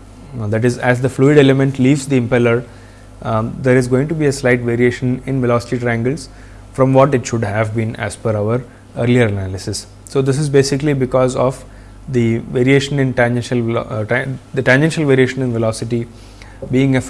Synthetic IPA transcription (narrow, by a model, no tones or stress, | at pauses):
d̪æʈɪzæzd̪əfluːɪɖelemẽɳʈliːʋzd̪iɪ̃mpɛləɾ | d̪eɾɪzɡoːɪ̃ŋʈubiːeslaɪʈʋeːɾieːʃə̃nɪ̃nʋɪlɔːsɪ̥ʈiʈɾaæ̃ŋɡəlz | fɾɔ̃mʋɔːʈɪʈʃʊɖɦæʋbĩːnæ̰sfəɾaʊʋəɾ | əːɾliəɾənælɪsɪs | soːd̪ɪs̬ɪzbeːsɪklibɪkɔːzɔʋ | d̪iʋeːɾieːʃə̃nɪ̃nʈɛ̃nd͡ʒɛ̃nʃəlʈd̪əʈæ̃nd͡ʒɛ̃nʃəlʋeːɾieːʃə̃nɪ̃nʋɛlɔːsɪʈi | biːɪ̃ŋe